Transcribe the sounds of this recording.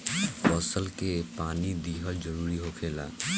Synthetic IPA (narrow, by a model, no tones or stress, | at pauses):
ɔsəlkepaːnid̪iːɦəld͡ʒəɾuːɾiɦokʰeːla̰ː